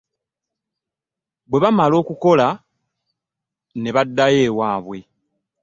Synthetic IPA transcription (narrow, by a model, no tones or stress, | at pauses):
βwe̞βamalo̞ːkuko̞la | ne̞βadːaje̞ːwaːβwe̞